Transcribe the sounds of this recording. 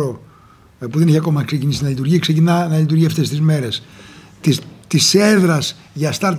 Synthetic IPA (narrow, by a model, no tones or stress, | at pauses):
o | puðeneçiɐko̞mɐkse̞cinisinɐlit̪uɾʝiksecinɐnɐlit̪uɾʝiɐft̪e̞st̪izme̞ɾe̞s | t̪it̪ise̞ðɾɐs | ʝɐst̪ɐɾt̪